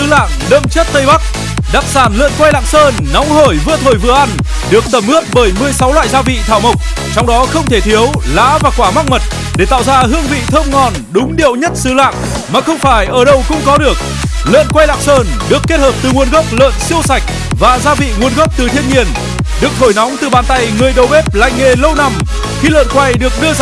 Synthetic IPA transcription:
ɨ˨˦la̰ː˧˨ŋɗə̰˧˨mt͡ɕə˦˥t̚t̪ə˧jɓa˦˥k̚ | ɗaː˨˩p̚saː˧˩nlə̰ː˧˨nkwa˧jla̰ː˧˨ŋsəː˧nːɔ˨˦wŋ͡mɦo˧˩jvɨ̰˧˥ət̪ʰo˧˩jvɨ˧əʔa˧n | ɗɨ˨˩ək̚t̪ə˧˩mʔɨ˦˥ək̚ɓəː˧˩jmɨ˨˩əjsa˨˦wlwa̰ː˧˨jzaː˧vḭ˧˨t̪ʰaː˧˩wmə˨˩wk͡p̚ | t͡ɕɔ˧wŋ͡mɗɔ˨˦xə˧wŋ͡mt̪ʰe˧˩t̪ʰi˨˦əwla̰ː˧˥vaː˨˩kwaː˧˩ma˦˥k̚mə˨˩t̚ | ɗe˧˩t̪a̰ː˧˨wzaː˧ɦɨ˧əŋvḭ˧˨t̪ʰə˧wŋ͡mŋɔ˨˩nɗʊ˨˦ŋ͡mɗḭ˧˨əwɲə˦˥t̚sɨ˨˦la̰ː˧˨ŋ | maː˨˩xə˧wŋ͡mfaː˧˩jʔəː˧˩ɗə˧wkʊ̰˧˥ŋ͡mkɔ˨˦ɗɨ˨˩ək̚ | lə̰ː˧˨nkwa˧jla̰ː˧˨ŋsəː˧nɗɨ˨˩əkːe˦˥t̚həː˨˩p̚t̪ɨ˨˩ŋu˨˧ənɣə˦˥wk͡p̚lə̰ː˧˨nsi˧əwsa˨˩jk̟̚ | vaː˨˩zaː˧vḭ˧˨ŋu˨˧ənɣə˦˥p̚t̪ɨ˨˩t̪ʰi˧ənɲi˨˧˩ən | ɗɨ˨˩ək̚t̪ʰo˧˩jna˨˦wŋ͡mt̪ɨ˨˩ɓaː˨˩nt̪a˧jŋɨ˨˩əjɗo˨˩ɓe˦˥p̚la̰˧˨jŋ̟ŋe˨˩lə˧wna˨˩m | xi˧lə̰ː˧˨nkwa˧jɗɨ˨˩ək̚ɗɨ˧ə

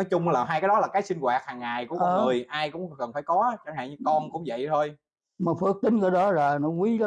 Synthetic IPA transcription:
nɔ˨˦jt͡ɕʊ˧ŋ͡mlaː˨˩ɦaː˧kaː˨˦ɗɔ˨˦laː˨˩kaː˨˦jsi˧ŋ̟ɣwaː˨˩t̚haː˨˩ŋːaː˨˩jku˧˩ʔkɔəː˦˧˦ŋɨ˨˩əjʔaː˧jkʊ̰˧˥ŋ͡mkə˨˩nfaː˧˩jkɔ˨˦t͡ɕaː˧˩ŋha̰ː˧˨ɲɨ˧kɔ˧nkʊ̰˧˥ŋ͡mvə̰˧˨jt̪ʰo˧j | maː˨˩fɨ˨˦˥ək̚t̪ï˧˦ŋ̟kəː˧˦ɗɔ˨˦za˨˩nɔ˨˦wi˨˦laː˨˦

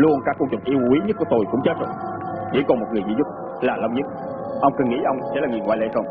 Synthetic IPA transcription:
lu˧ənkaː˦˥kːu˧ŋt͡ɕə˨˩ŋ͡mʔi˧əwkwi˨˦ɲə˦˥ku˧˩ət̪o˧jkʊ̰˧˥ŋ͡mt͡ɕəː˨˦˥sə̰˧˨ | ɗḛ˧˦kɔ˨˩mo˨˩t̚ŋɨ˨˩əjzḭ˧˦zʊ˦˥t̚ | laː˨˩lə˧wŋ͡mɲɨ˦˥t̚ | ʔə˧wŋ͡mkɨ˨˩nŋḭ˧˥ʔə˧wŋ͡msɛ̰˧˥laː˨˩ŋ˨˩əŋwa̰ː˧˨lḛ˧˥˩xə˧wŋ͡m

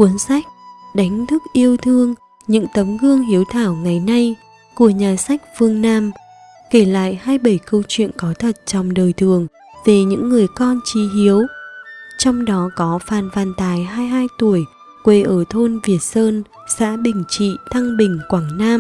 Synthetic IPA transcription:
ku˨˦ənsa˦˥jk̟̚ɗa˨˦jŋ̟t̪ʰɨ˦˥k̚ʔi˧əwt̪ʰɨ˧əŋ | ɲɨ̰˧˥ŋt̪ə˨˦mɣɨ˧əŋɦi˨˦əwt̪ʰaː˧˩wŋa˨˩jna˧j | ku˧˩əɲaː˨˩sa˦˥jk̟̚fɨ˧əŋnaː˧m | ke˧˩la̰ː˧˨jhaː˧jɓə˧˩jkə˧wt͡ɕwḭ˧˨ənkɔ˨˦t̪ʰə˨˩t̚t͡ɕɔ˧wŋ͡mɗəː˨˩jt̪ʰɨ˨˩əŋ | ve˨˩ɲɨ̰˧˥ŋːɨ˨˩əjkɔ˧nt͡ɕi˨˦hi˨˦əw | t͡ɕɔ˧wŋ͡mɗɔ˨˦kɔ˨˦faː˨˩nfaː˨˩nt̪aː˨˩jɦaː˧jɦaː˧jt̪u˧˩əj | kwe˨˩ʔəː˧˩t̪ʰo˧nvi˨˩ət̚səː˧n | sa̰ː˧˥ɓï˨˩ŋ̟t͡ɕḭ˧˨t̪ʰa˧ŋɓï˨˩ŋ̟kwaː˧˩ŋnaː˧m

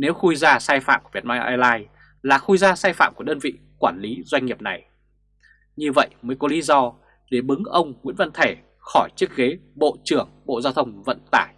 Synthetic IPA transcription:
ne˨˦wxu˧jzaː˧saː˧jfa̰ː˧˨mkvt̚maː˧jʔaː˧jlaː˧j | laː˨˩xu˧jzaː˧saː˧jfa̰ː˧˨mku˧˩əɗəː˧nvḭ˧˨ | kwaː˧˩nli˨˦zwa˧ŋ̟ɲi˨˩əp̚na˨˩j | ɲɨ˧və̰˧˨jməː˨˦jkɔ˨˦li˨˦zɔ˧ | ɗe˧˩ɓɨ˨˦ŋʔə˧wŋ͡mŋwḭ˧˥ənvə̰˧˨nt̪ʰe˧˩ | xɔ˧˩jt͡ɕɨ˦˥ək̚ɣe˨˦ɓo̰˧˨t͡ɕɨ˧˩əŋɓo̰˧˨zaː˧wt̪ʰə˧wŋ͡mvə̰˧˨nt̪a̰ː˧˩j

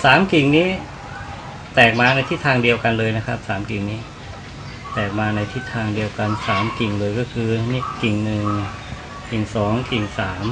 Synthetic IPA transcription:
saː˩˦mki˨˩ŋniː˦˥ | t̪ɛː˨˩k̚maː˧na˧jt̪ʰi˦˥t̪ʰːaː˧ŋdi˧əwka˧nlɤː˧jna˦˥kʰa˦˥p̚saː˩˦mki˨˩ŋniː˦˥ | t̪ɛː˨˩k̚maː˧na˧jt̪ʰi˦˥t̪ʰːaː˧ŋdi˧əwka˧nsaː˩˦mki˨˩ŋlɤː˧jkɔː˥˩kʰɯː˧ni˥ki˨˩ŋnɯ˨˩ŋ | ki˨˩ŋsɔː˩˦ŋki˨˩ŋsaː˩˦m

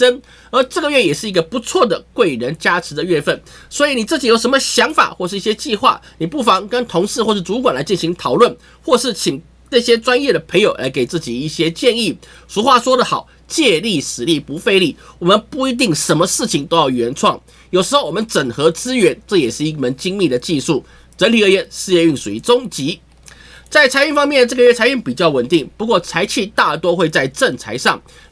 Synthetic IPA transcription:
ə˥n | ə˞˧˥ʈ͡ʂɤ˥˩ɡə˩ɥɛ˥˩jɛ˨˩ʂɻ̩˥˩i˧˥ɡə˧pu˧˦˥t͡sʰwɔ˥˩d̪ə˩kwe˥˩ɪɻə˧˥nt͡ɕja˥ʈ͡ʂʰɻ̩˧˥d̪ə˨ɥɛ˥˧fə˥˩nswɔ˧˥i˨ni˨˩t͡s̩˥˩t͡ɕi˨˩jo˨˩ʊʂ̬ə˧˥mə˧ɕjɑ˧˥ŋfa̰˨˩xwɔ˥˧ʂɻ̩˥˩i˥˩ɕjɛ˥t͡ɕi˥˧xwa̰˥˩ni˨˩pu˥˩fɑ˧˥ŋkə˥nt̪ʰʊ˧˥ŋʂɻ̩˥˧wʂɻ̩˥˩t͡su˧˥k̬wa˨˩nla˧˥ɪt͡ɕi˥˩nɕi˧˥ŋt̪ʰɑ˨˩ʊlwə˥˩n | xwɔ˥˧ʂɻ̩˥˩t͡ɕʰi˨˩ŋ | na˥˩ɕjɛ˥ʈ͡ʂwa˥njɛ˥˩d̪ə˩pʰə˧˥ŋjo˨ʊla̰˧˥ɪke˨˩ɪt͡sɹ̩˥˩t͡ɕi˨˩i˥˩ɕjɛ˥t͡ɕjɛ˥˧ni˥˩ʂu˧˥xwa˥˩ʂwɔ˥d̪ə˨xɑ˨˩˦ʊ | t͡ɕjɛ˥˧li˥˩sɹ̩˨˩li˥˩pu˧˥fe˥˧ɪli˥˩wɔ˨˩mə˧˦npu˥˩i˧˥t̪̬i˥˩ŋʂə˧˥nmə˧ʂɻ̩˥˩t͡ɕʰi˨˩ŋt̪o˥ʊjɑ˥˩ʊɥɛ˧˥nʈ͡ʂʰwɑ˥˩ŋ | jo˨˩ʊʂɻ̩˧˥xo˥˩ʊwɔ˨˩ə˦nʈ͡ʂə˨˩ŋxɤ˧˥t͡sɹ̩˥ɥɛ˧˥nʈ͡ʂɤ˥˩jɛ˨˩ʂɻ̩˥˧i˥˩mə˧˥˦nt͡ɕi˥ŋmi˥˩d̪ə˩t͡ɕi˥˧ʂu˥˩ | ʈ͡ʂə˧˥nli˨˩ə˧˥jɛ˧˥˦nʂɻ̩˥˧jɛ˥˧y˥˩ŋʂu˨˥˩t͡sʊ˥ŋt͡ɕi˧˥ | t͡sa˥˩ɪt͡sʰa˧˥ɪy˥˧nfɑ˥ŋmjɛ˥˩nə˩ʈ͡ʂɤ˥˩ɡə˧ɥɛ˥˩t͡sʰa˧˥ɪy˥˩ŋpi˨˩t͡ɕjɑ˥˩ʊwə˨˩nt̪i˥˩ŋpu˧˥kwɔ˥˩t͡sʰa˧˥ɪt͡ɕʰi˥˧t̪a˥˩t̪wɔ˥xwe˥˧ɪt͡sa˥˧ɪʈ͡ʂə˥˩ŋt͡sʰa˧˥ɪʂɑ˥˩ŋ

